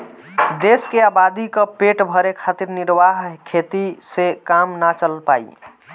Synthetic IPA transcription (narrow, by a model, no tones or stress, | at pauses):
d̪eskeabad̪ikəpeʈbʱəɾekʰat̪iɾniɾʋaɦkʰet̪isekamnat͡ʃəlpa̰ḭ